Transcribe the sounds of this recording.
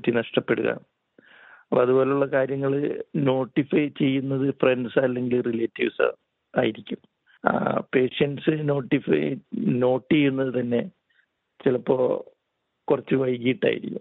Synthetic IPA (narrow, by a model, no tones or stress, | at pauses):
t̪ːinɐʂʈɐpːe̞ɽuɣɐ̰ | ɐpɐðubo̞ːle̞uɭːɐkaːɾjɐŋːɐɭɨno̞ːʈːifɐt͡ɕe̞jːunːɐðɨfre̞nɖsɐlːe̞ŋɡilrileːtːiʋsɨ̰ | a̰ːjiɾikʲːum̰ | pe̞ːʂɐnsɨno̞ːʈːifɐ̰no̞ːʈːijunːɐðɨt̪ɐnːe̞ | t͡ɕilɐpːo̞ː | kurɐt͡ɕːɨʋɐjkiʈːa̰ːjḭɾikʲːum